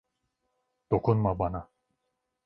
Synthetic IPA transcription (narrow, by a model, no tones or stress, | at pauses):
d̪̥o̞kʰunmabana